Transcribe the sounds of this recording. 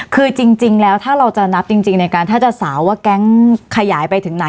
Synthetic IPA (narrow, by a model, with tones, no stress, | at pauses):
kʰɯː˧t͡ɕi˧ŋt͡ɕi˧ŋlɛː˦˥wt̪ʰaː˥˩ɾa˧wt͡ɕa˨˩na˦˥p̚t͡ɕi˧ŋt͡ɕi˧ŋna˧jkaː˧nt̪ʰaː˥˩t͡ɕa˨˩saː˩˦waː˥˩kɛ˦˥ŋkʰa˧jaː˩˦jpa˧jt̪ʰɯ˩˦ŋna˨˩˦